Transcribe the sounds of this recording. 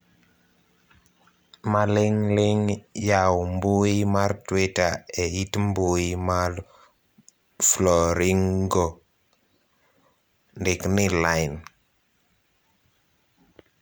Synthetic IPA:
malɪŋlɪŋjawmbuimaɾtwitaɛitmbʊimaɾ | flɔɾiŋɡo | ndɪknɪlaɪn

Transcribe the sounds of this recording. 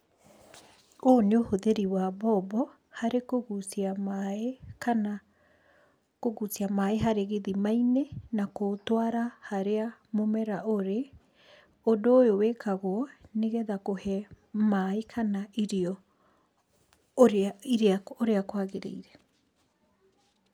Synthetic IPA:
oːneohoðeɾiwabɔbɔ | haɾekoɣusiamaekana | koɣusiamaeɦaɾeɣeðimainenakotoaɾahaɾeamomɛɾaoɾe | odoːjowekʰaɣoɔneɣɛðakohɛ | maekʰanaiɾiɔ | ɾiɾeaoɾeakoaɣeɾḛiɾɛ

